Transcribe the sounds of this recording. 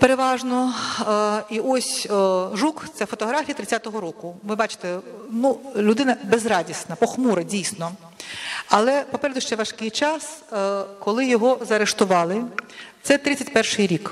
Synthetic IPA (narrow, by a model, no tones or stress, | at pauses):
peɾeʋɑʒnɔ | iʔɔsʲʒukt̪sɛfɔt̪ɔɦɾafʲijɐt̪ɾɪt̪t͡sʲat̪ɔɦɔɾɔkʊʋɪbɑt͡ʃɪ̥t̪ɛnulʲʊd̪ɪnɐbezrɑdʲisnɐpɔxmuɾɐdʲijsnɔ | ɐlˠɛpɔpɛɾed̪ʊʃt͡ʃɛʋɐʃkɪjt͡ʃɑskɔlˠɪjɔɦɔzɐɾeʃt̪ʊʋɑlˠɪt̪sɛt̪ɾɪt͡sʲːɐtʲpɛrʂɪjɾʲik